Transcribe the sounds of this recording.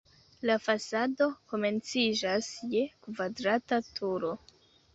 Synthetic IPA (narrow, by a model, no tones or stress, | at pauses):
lafasado̞ko̞me̞nt͡sid͡ʒasje̞kvadɾatatʰuɾo̞